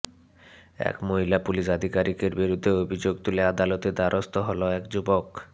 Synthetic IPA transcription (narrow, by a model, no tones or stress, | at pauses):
ɛ̰kmoɦilapuliʃad̪ʱikaɾikeɾbiɾud̪ʱːeobʱid͡ʑoɡ̚t̪ulead̪alot̪ed̪aɾʔost̪oɦɔloɛkd͡ʑubok